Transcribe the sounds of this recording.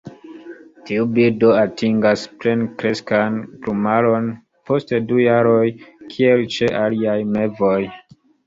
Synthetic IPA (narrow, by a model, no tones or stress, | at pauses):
tiubiɾdo̞atiŋɡaspɾe̞nkɾe̞skantɾumalo̞n | po̞stedujaɾo̞jkʰie̞lt͡ʃe̞ʔaliajme̞vo̞j